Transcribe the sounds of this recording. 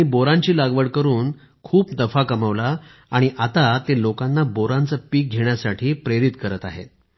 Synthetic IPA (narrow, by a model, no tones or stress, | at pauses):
ãiboɾaɲt͡ɕiːlaɡʋəɽkəɾuːn | kʰuːp̚d̪əfakəməʋlaː | ɽ̃iʔat̪at̪elokanːaboɾant͡səpiːk̚ɡʱeɳjasaʈʰiːpɾeɾit̪kəɾət̪a̰ɦḛ